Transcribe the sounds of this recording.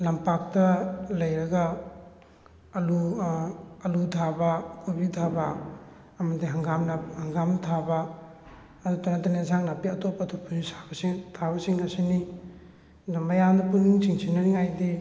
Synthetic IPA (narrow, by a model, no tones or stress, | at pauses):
lɐmpak̚tɐlɐjɾɐɡa | ɐlu | ɐludʰʱabɐkʰubitʰabɐ | ɐmɐdiɦɐŋɡamnɐhɐŋɡamnɐtʰabɐː | dutonatanezaŋnapiɐtopːɐtʰupʰunisḁbɐsiŋtʰaβɐsiŋɐsini | nɐmbɐjandɐpuniŋt͡ʃiŋsʰinaniŋajdi